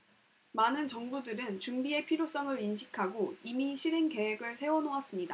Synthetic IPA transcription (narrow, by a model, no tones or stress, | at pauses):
manɯnt͡ɕʌŋbudɯɾɯnt͡ɕumbie̞pʰiɾjos͈ʌŋɯɾinɕʰikʰaɡoimiɕʰiɾenke̞we̞ɡɯɭsʰe̞wʌnoas͈ɯmɲida